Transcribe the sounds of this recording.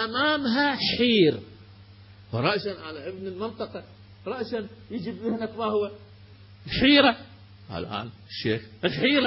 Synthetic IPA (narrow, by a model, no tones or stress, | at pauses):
ʔamaːmɦaħiːɾ | wɑɾˤɑʔʃanʕalaʔɪbnɪlmɪnt̪ˤɑqɑ | ɾˤɑʔʃanjɪd͡ʒɪbɪhnakmahwa | lħiːɾa | ʔa̰lʔa̰ːnɪʃːeːxɪlħiːɾ